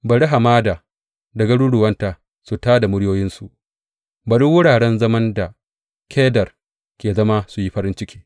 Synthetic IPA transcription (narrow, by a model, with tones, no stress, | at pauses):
bɐ˨ɽi˦ɦa˨maː˦daː˨ | dɐ˨ɡɐ˦ɽuː˦ɽʊ˨wɐ˦ntaː˨ | su˨taː˦da˨mʊ˦ɽjoː˦jɪ˦nsu˨ʔ | ba˨ɗʊ˦wʊ˦ɽaː˨ɽɛ˦nzɐ˦mɐ˦nda˨ | kʰʲeː˦dɐ˨r | kʲeː˨zɐ˦ma˦su˨ji˦ɸɐ˦ɾɪ˦nt͡ʃɪ˦kʲi̥ː˦